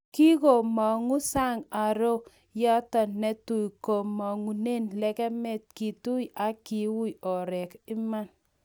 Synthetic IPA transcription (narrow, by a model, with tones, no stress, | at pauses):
ki˦ko˨mɔ˨ŋu˦sa˦ŋa˨ɾo˦ | ja˦tɔ˨nnɛ˨tu˨jko˨mɔ˨ŋu˨ne˦nlɛ˦kɛ˦mɛ˦t̚ki˨tu˦ja˨˦ki˨wu˦jɔ˨ɾɛ˨kɪ˦ma˦n